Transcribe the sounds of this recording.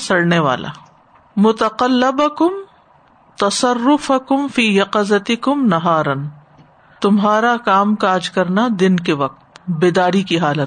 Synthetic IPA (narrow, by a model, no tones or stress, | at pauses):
sɐɽneʋa̰ːlʔa̰ | mʊt̪ɐqɐlːɪbɐkʊm | t̪ɐsɐrːʊfɐkʊmfiːjɐqɐzɐt̪ɪkʊmnɐɦaːɾən | t̪ʊmɦaːɾakaːmkaːd͡ʒkɐɾnad̪ɪnkeʋɐq̚t̪beːd̪aːɾikiɦaːlət̪